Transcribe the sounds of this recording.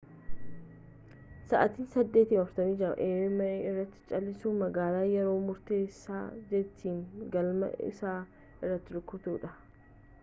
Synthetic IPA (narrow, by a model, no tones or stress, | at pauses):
sɐʔɐt̪iːnsɐd̪ːeːt̪iːmɐfɾt̪ɐmiːd͡ʒɐɾɐ̰ʔeːmɐeːɪrːɐt̪ːɪ̥t͡ʃʼɐlːɪsuːmɐɡaːlaːjɛɾo̞ːmʊɾt̪e̞ːsːaːd͡ʒɛt̪ːiːnɡɐlmɐ̰ɪ̰saː | ɪrːɐt̪ːɪɾʊkːʊt̪uːᶑɐ